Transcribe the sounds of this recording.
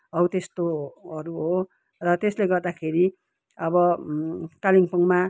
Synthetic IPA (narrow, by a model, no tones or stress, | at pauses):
ʌwt̪est̪oʌɾuɦo | rʌt̪esleɡʌrd̪akʰeɾi | ʌβʌ | kaliŋpʌŋma